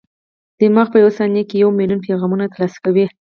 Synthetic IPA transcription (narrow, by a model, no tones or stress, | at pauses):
d̪̥əmɑɣpəjawasɑnjakejawmiljunp̬eɣɑmunat̪əlɑskawi